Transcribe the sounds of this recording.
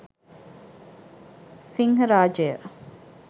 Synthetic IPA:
siŋɦɐɾaːd͡ʒəjə̰

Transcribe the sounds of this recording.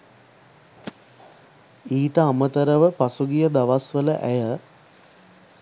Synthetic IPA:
iːʈəamət̪əɾəʋəpasuɡijəd̪aʋasʋələʔæjə

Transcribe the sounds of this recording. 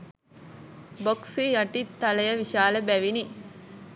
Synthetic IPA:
boksijɐʈit̪ːɐləjəʋiʃaːləbæʋini

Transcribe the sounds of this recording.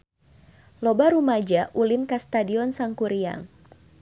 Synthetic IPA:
lɔbaɾumad͡ʒaʔulɪnkast̪adiɔnsaŋkuɾia̰ŋ

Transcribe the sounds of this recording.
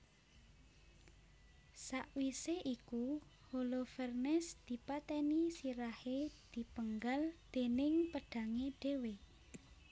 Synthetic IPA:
saʔwiseʔikuholofɛrnɛsd̪̥i̤pat̪ɛnisiɾahed̪̥i̤pəŋɡald̪̥e̤nɪŋpəɖ̥ä̤ŋeɖ̥e̤we

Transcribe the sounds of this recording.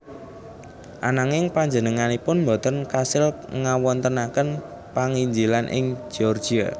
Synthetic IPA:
ʔanaŋɪŋpaɲd͡ʒənəŋanipʊnmbɔ̤t̪ənkasɪlŋawɔnt̪ənakən | paŋiɲd͡ʒilanʔɪ̰ŋ̥d͡ʒ̥iɔrd̥ʒ̥ia

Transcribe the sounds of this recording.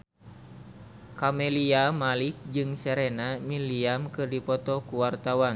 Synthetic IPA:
kamɛliamalik̚d͡ʒɨŋsɛɾɛnamiliamkɨrdipɔt̪ɔkuwart̪awan

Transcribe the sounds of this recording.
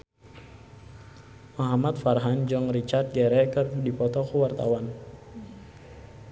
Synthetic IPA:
maɦamat̪farɦand͡ʒɔŋrit͡ʃart̪̚ɡɛɾɛkərdipɔt̪ɔkuwart̪a̰wan

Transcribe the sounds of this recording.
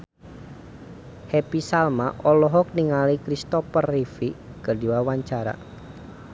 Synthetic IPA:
hɛpisalma̰ʔɔlɔɦɔk̚niŋalikɾist̪ɔpərːifikərdiwawaɲt͡ʃaɾa̰

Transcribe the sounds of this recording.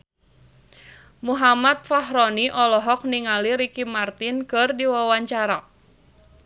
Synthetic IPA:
muɦamat̪̚faɦɾɔniʔɔlɔɦɔk̚niŋaliɾikimart̪ɪnkɨrdiwawaɲt͡ʃaɾa

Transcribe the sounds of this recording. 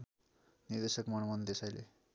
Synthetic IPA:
nird̪esʌkmʌnmʌnd̪esajle

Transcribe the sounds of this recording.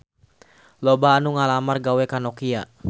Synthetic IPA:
lɔbaːnuŋalamarɡawɛkanɔkia

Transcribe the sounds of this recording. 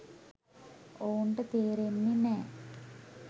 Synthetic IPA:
oːɳɖɨt̪eːɾenːine

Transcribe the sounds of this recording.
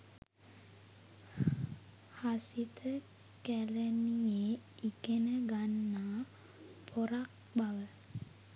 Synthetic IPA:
hasit̪ʰə | kælənijeikenəɡanːaː | pʰoɾak̚baʋə

